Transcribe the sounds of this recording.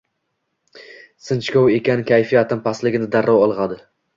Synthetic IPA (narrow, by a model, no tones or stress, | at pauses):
sɪnt͡ʃkʲowe̞kʲanɪkʲʰajfijat̪ʰɪmpʰaslɪɡʲɪnɪd̪aɾːɒwɒlˠʁɑd̪ɪ